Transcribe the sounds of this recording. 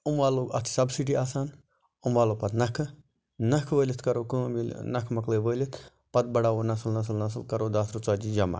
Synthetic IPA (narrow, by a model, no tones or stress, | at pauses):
umʋaːloːɡɐt̪ʰsɐbsiʈiaːsaːn | umʋaːloːpɐt̪nɐkʰɨ | nɐkʰʋəːlʲit̪ʰkɐɾoːkɨːminɐkʰmɐkləːʋəːlʲit̪ʰ | pɐt̪̚bɐɽaːʋoːnɐsɨlnɐs̬lnɐs̬lkɐɾoːd̪aːsɾut͡saːd͡ʒid͡ʒɐma̰ː